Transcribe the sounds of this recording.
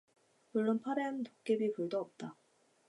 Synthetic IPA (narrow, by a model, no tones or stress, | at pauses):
muɭːonpʰaɾennok͈ebipuɭdoʌp̚t͈a